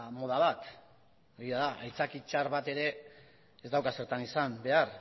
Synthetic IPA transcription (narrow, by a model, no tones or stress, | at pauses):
mo̞ð̞aβat̪ | oɾiaðaʔajt͡sakit͡ʃaɾβat̪e̞ɾe̞ː | zd̪awkase̞ɾt̪anisambe̞ar